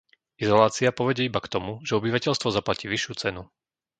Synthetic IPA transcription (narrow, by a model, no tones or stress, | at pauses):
izɔlaːt͡siapɔʋɛɟɛibakt̪ɔmuʒɛɔbiʋacɛʎst̪ʋɔzaplaciːʋiʃːjuːt͡sɛnu